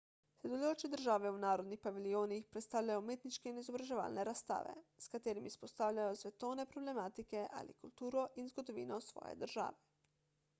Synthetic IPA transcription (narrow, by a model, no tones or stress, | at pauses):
sɛd̪oloːt͡ʃɛd̪əɾʒaːʋɛunaːɾod̪nixpaʋilijoːnixpɾɛt̪st̪aːwʎʲajɔmeːt̪niʃkɛinizobɾaʒɛʋa̰ːlnɛɾast̪a̰ːʋɛ̰skat̪eːɾimispost̪aːwlʲajosʋɛt̪oːwnɛpɾoblɛmaːt̪ikɛʔa̰lḭkult̪uːɾɔʔinzɡod̪oʋḭːnɔsʋɔ̰ːjɛ̰d̪əɾʒa̰ːʋɛ